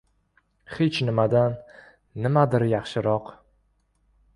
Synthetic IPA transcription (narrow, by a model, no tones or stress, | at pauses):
het͡ʃnɪmad̪anː | ɪmad̪ɪɾjɑχʃɪɾɒq